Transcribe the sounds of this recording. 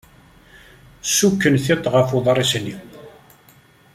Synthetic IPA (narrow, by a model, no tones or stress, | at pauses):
sukːənθɪt̪ˤːʁəfuðˤɾˤisnːi